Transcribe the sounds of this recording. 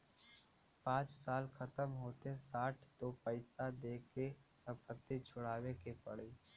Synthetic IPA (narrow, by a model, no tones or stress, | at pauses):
pãːt͡ʃsaːlkʰɐt̪əmɦoːt̪ẽsaːʈʰt̪opəɪsad̪eːkesə̃mpət̪ːit͡ʃʰʊɽaːwekepɐɽiː